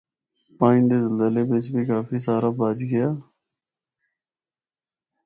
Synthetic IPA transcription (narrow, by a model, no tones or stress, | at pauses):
paːĩːd̪eːzəlzəleːbet͡ʃbʱiːkaːfʰiːsaːɾaːbaːd͡ʒɡɪjaː